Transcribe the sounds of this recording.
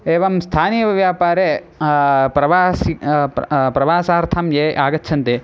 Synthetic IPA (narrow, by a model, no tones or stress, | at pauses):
eːʋɐmst̪ʰaːnijɐʋɐʋjaːpaːɾe | pɾɐʋaːsi | pɾɐʋaːsaːɐɾt̪ʰɐmjeːʔaːɡɐtːt͡ʃʰɐnt̪e